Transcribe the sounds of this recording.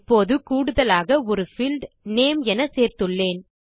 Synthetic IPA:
pːoːðɯkuːɽɯðɐlaːɣɐɔɾɯfɪlɖ | neːmɛnɐseːɾt̪ɯɭːeːn

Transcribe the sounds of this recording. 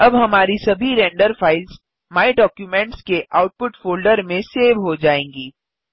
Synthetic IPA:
ɐbɦɐmaːɾisɐbʱiɾẽːɳɖəɾfaːɪls | maːɪɖɔːkjumẽɳʈskeʔaːʊʈ̚pʊʈfoːlɖəɾmẽseːʋɦod͡ʒaːẽːŋɡiː

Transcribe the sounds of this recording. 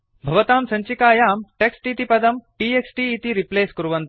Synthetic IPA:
bʱɐʋɐt̪aːmsɐɲt͡ʃikaːjaːmʈeksʈit̪ipɐd̪ɐmʈiːeksʈiːt̪iɾipleːskuɾuʋɐnt̪

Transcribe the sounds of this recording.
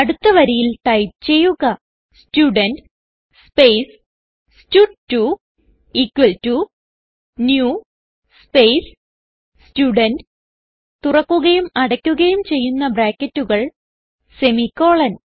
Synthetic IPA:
ɐɽut̪ːɐʋɐɾɐjilʈ̪ɐjp̚t͡ɕe̞jːuɣɐ | stuːɖɐnd | spejs | stuɖtːu | iːkʲːwɐltu | njuː | speːs | stuːɖɐnd | t̪urɐkːuɣɐjumɐɽɐkʲːuɣɐjumt͡ɕe̞jːunːɐbraːkːɐtːuɣɐɭ | semikːo̞ːɭɐn

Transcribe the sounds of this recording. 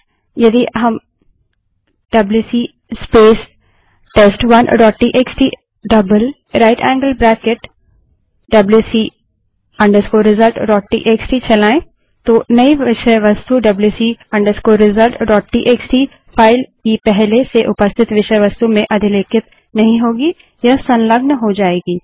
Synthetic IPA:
jɐd̪iɦɐm | ɖɐbljuːsiː | speːs | ʈeːsʈʋɐnɖɔːʈʈiːʔeːksʈiː | ɖɐbəl | ɾaːɪʈɛ̃ːŋɡəlbɾɛːkeʈ | ɖɐbljuːsiː | ɐ̃ɳɖəɾskoːɾɪzəlʈɖɔːʈʈḭːʔeːksʈit͡ʃɐlaːẽ | t̪oːnɐiɪʃəjʋɐst̪uɖɐbljuːsiːɐ̃ɳɖəɾskoːɾɪzəlʈɖɔːʈ̚ʈiːʔeːksʈiː | fʰaːɪlkipɛɦleseʔʊpəst̪ʰɪt̪ʋɪʃəjʋɐst̪umẽʔɐd̪ʱɪlɪkɪt̪ | nɐɦĩɦoːɡi | jɐsɐnlɐɡnɦod͡ʒaːeːɡiː

